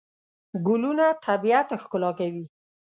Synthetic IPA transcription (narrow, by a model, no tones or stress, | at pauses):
ɡʊlunat̪ʰabiat̪axkʊlɑkawi